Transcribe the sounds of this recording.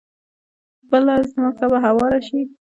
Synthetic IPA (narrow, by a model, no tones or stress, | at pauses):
bəlazmɑkabaɦawɑɾaʃi